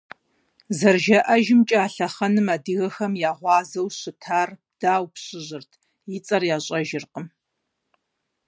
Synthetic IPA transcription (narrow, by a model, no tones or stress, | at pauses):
zɐrʒɐʔɐʒɪmt͡ʃʼaːɬɐχɐnɨmaːdɨɣɐxɐmjaːʁʷɑːzɐwɕɪtʰaːr | d̥aːwpɕɪʑɪrtʰ | jɪt͡sʼɐrjaːɕʼɐʒɪrqəm